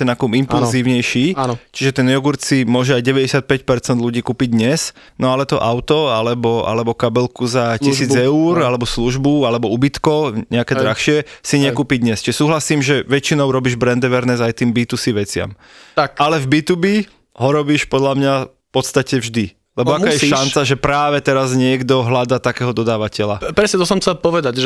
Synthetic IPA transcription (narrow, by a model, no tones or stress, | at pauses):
ɛnakumimpulziːʊɲɛjʃiːt͡ʃiʒɛt̪ɛnjɔɡuɾt͡simʊɔʒɛajɟɛʋɛɟɛsɪat̪̚pɛcpɛɾt͡sɛnd̪luɟiːkuːpid̪ɲɛs | nɔalɛt̪ɔʔaʊt̪ɔalɛbɔʔa̰lɛbɔkabɛlkuzacisiːd͡zɛuːɾalɛbɔsluʒbualɛbɔubit̪kɔɲɛakɛːd̪ɾaxʃɪɛsiɲɛkuːpid̪ɲɛst͡ʃiʒɛsuːɦlasiːmʒɛʋɛt͡ʃinɔʊɾɔbiːʒbɾɛnd̪ɛʋɛɾnɛzajt̪iːmbiːt̪usiʋɛt͡sɪa̰m | t̪akalɛvbit̪ubi | ɦɔɾɔbiːʃpɔd̪lamɲafpɔt̪st̪acɛvʒd̪i | lɛbɔakaːjɛʃant͡saʒɛpɾaːʋɛt̪ɛɾazɲɪɛɡd̪ɔɦlad̪aːt̪akɛːɦɔd̪ɔd̪aːʋacɛlapɾɛsɲɛt̪ɔsɔmt͡sɛlapɔʋɛd̪acʒ